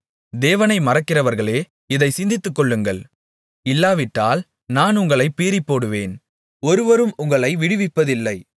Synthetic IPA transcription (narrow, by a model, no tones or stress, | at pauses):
d̪eːʋɐnɐɪmɐrɐkːɪrɐʋɐɾɣɐɭeː | ɪðɐɪsɪnd̪ɪt̪ːɯkːɔɭːɯŋɡɐɭ | ɪlːaːʋɪʈːaːl | naːnʊŋɡɐɭɐɪpːiːɾɪpːoːɽɯʋeːn | ɔɾɯʋɐɾɯmʊŋɡɐɭɐɪʋɪɽɯʋɪpːɐðɪlːɐɪ